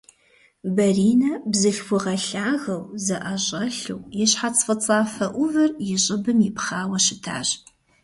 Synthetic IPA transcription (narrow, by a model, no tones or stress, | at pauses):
bɐriːnɐbzɨɬxʷʊʁɐɬaːɣɐwzɐʔɐɕʼɐɬɨwjɛɕħat͡sʼfʼɨt͡sʼaːfɐʔʷʊvɐrjɪɕʼɪbɨmjɪpχaːwɐɕɪtʰa̰ːɕ